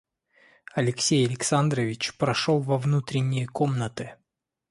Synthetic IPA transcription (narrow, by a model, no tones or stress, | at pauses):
ɐlʲɪksʲejɐlʲɪksand̪ɾəvʲɪt͡ɕpɾɐʂolˠvɐvnut̪ɾʲɪnʲːɪjəkomnət̪ɨ